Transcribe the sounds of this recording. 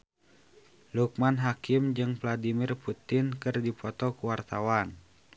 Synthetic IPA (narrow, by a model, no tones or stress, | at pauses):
luk̚manɦakimd͡ʒɨŋvladimirput̪ɪnkɨrdipɔt̪ɔkuwart̪awan